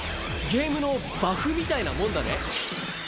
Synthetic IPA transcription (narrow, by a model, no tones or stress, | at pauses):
ɡʲe̞ːmɯ̟no̞ | baɸɯ̟mʲit̪ainamõ̞nd̪anḛ